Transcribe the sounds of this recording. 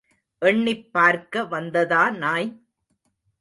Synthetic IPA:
ʔɛɳːɪpːaːɾkɐʋɐnd̪ɐðaːnaːj

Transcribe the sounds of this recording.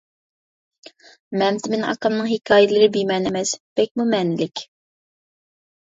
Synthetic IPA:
mɛmt̪ʰɪmɪnʔɑ̰qɑmnɨŋɦekʲʰɑːjɪlˠɨɾɪbimɛnɪmɛsb̥ɛk̚ʲmumɛnɪlɪkʲ

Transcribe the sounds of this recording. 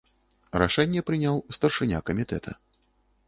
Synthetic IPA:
ɾa̰ʂɛnʲːɛpɾɨnʲawst̪ɐrʂɨnʲa̰kɐmʲit̪ɛ̰t̪ʰɐ̰

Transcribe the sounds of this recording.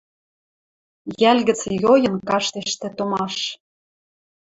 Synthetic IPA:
jælɣə̆t͡sjojɤ̆nkɑʃt̪eʃt̪ĕt̪omɑʃ

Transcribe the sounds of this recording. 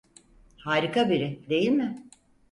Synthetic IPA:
haːɾikabiɾɪd̪e̞jilʲmɪ

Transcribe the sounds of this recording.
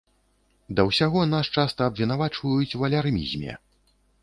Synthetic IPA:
d̪ɐwsʲaɣɔnaʂt͡ʂast̪ɐːbvʲin̪avat͡ʂvɐjut͡sʲwɐlʲarmʲḭzʲmʲɛ̰

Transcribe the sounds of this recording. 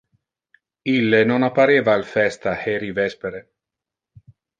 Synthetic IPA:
ilːenonapːaɾeːvaːlfɛst̪ahɛɾivɛspeɾe

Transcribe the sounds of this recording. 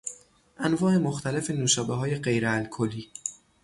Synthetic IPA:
ʔænvɒːe̞moxt̪ʰælefe̞nuːʃɒːbeɦɒːje̞ɢe̞jɾeælkʰolːiː

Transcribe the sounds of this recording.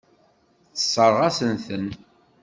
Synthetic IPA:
θə̥sˤːəɾʁasənθən

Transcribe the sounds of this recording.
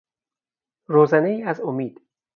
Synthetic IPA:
ɾoːzæneiːæzomiːd̪

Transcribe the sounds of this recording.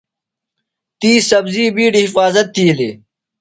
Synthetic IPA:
t̪iːsɐbziːbiːɖihifaːzɐt̪ːiːleː

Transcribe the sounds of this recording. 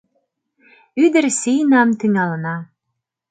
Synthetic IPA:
yd̪ɘ̆ɾsijnɑmt̪yŋɑlə̆nɑ

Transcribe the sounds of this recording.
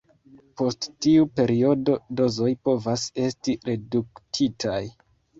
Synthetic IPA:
po̞sttiupe̞ɾio̞do̞do̞zo̞jpo̞vase̞stiɾe̞duktʰitʰaj

